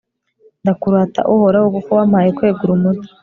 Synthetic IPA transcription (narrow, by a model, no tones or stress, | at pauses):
ndakuɾaːta̰ʔuhoɾaokokowamhaːjekwe̞ːɡuɾumudi̥